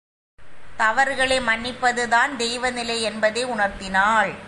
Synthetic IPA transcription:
t̪ɐʋɐɾɣɐɭɐɪmɐnːɪpːɐðɯðaːnd̪ɛjʋɐnɪlɐɪɛnbɐðeɪʊɳɐɾt̪ɪnaːɭ

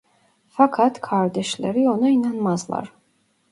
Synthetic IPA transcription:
fakʰat̪ʰkʰaɾd̪ɛʃlɛ̰ɾiɔnainanmazlˠa̰ɾ

